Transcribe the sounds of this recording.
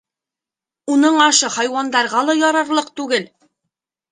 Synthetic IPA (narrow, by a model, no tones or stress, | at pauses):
unɤɴɑʃɤχɑjwɑnd̪ɑɾʁɑlˠɑjɑɾɑɾlˠɤqt̪ʉɡɘl